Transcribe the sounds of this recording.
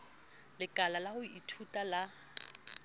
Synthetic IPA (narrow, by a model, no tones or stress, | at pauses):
lɪkʼalalahʊiitʰutʼala